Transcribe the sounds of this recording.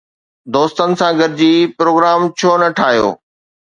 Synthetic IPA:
d̪oːst̪ənɪ̆sãɡʱəɾɪd͡ʑiːpɾoːɡɾaːmt͡ɕʰoːnɐʈʰaːɦijo̰ː

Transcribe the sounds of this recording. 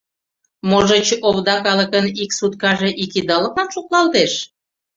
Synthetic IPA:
moʒət͡ɕoβd̪ɑkɑlə̆kəniksut̪kɑʒeʔikid̪ɑlə̆kmɑnʃuklɑlt̪eʃ

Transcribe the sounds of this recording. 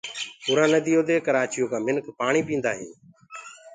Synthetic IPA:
puːɾãːnəd̪iːoːd̪eːkəɾaːt͡ʃɪjoːkãːmɪnkpaːɳiːpĩːnd̪aːɦiː

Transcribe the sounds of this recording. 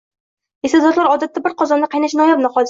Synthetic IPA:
esazɒt̪lˠaɾɒd̪at̪ːabɪɾqʰɒzɒnːɪqʰɑjnaʃnɒjapnɨhɒz

